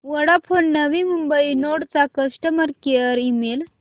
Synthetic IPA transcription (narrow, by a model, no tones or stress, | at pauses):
ʋəɽapʰonːəʋimumbəinoɽt͡sakəsʈəməɾkeəɾimel